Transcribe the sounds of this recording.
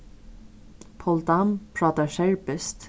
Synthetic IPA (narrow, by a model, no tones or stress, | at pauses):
pʰɔld̪ɑmpʰɹɑːt̪əʃæɹpəst̪